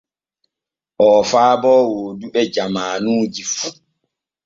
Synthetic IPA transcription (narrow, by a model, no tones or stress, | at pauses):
ʔɔːfaːbɔːwoːduɓɛd͡ʒamaːnuːd͡ʒifu